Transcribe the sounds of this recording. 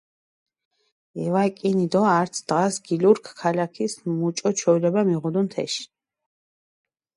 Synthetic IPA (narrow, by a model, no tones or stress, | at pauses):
ɛvakʼinid̪ɔaɾt̪sʰd̪̥ʁasɡiluɾkʰkʰːalakʰismmut͡ʃʼɔt͡ʃʰɔlɛbamiʁud̪unt̪ʰɛ̰ʃi̥